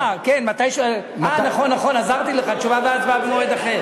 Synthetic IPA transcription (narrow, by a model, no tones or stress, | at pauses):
akenmat̪ajʃoe | manaχonːaχo̞nazaʁt̪ileχat͡ʃuvabeat̪vabmoed̪aχe